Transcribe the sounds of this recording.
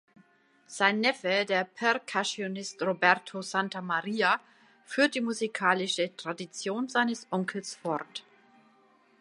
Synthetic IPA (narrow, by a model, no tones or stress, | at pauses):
z̥aɪnːɛfədeːɐpʰɛʁkʰasionɪstʁobɛʁtʰozantamaʁiːa | fyːɐt̚d̥iːmuzikʰaːlɪʃətʁ̥adit͡sjoːnzaɪnəsʔɔŋkʰl̩sfɔʁt